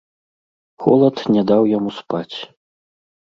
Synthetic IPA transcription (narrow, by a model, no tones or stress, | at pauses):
xɔ̰lˠɐt̪nʲɛd̪awjamuspat͡sʲ